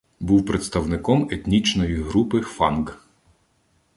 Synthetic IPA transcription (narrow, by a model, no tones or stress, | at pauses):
buwpɾet̪st̪ɐwnɪkɔmet̪ʲnʲit͡ʃnɔjiɦɾupɪfɑnɡ